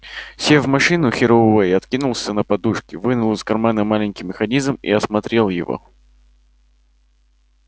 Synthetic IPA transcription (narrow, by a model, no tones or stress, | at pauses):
sʲevmɐʂɨnʊxʲɪɾoejɐt̪kʲinʊlˠsʲənəpɐd̪uʂkʲɪvɨnʊlˠɨskɐrmanəmalʲɪnʲkʲijmʲɪxɐnʲizmḭɐsmɐt̪ɾʲe̞lˠjɪ̰vo̞̰